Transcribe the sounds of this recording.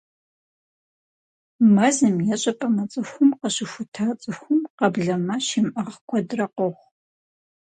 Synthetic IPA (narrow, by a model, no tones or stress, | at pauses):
mɐzɨmjɛɕʼɐpʼɐmɐt͡sʼɨxʷʊmqəɕɪxʷʊtʰaːt͡sʼɨxʷʊmqɐbɮɐmɐɕɪmʔɐʁkʷʰɔdrɐqɔʁʷ